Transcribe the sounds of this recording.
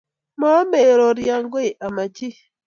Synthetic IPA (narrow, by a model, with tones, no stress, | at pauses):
mɔ˦me˨ɾɔ˨ɾja˨ŋɡwe˦˨ʔa˨ma˨t͡ʃi˦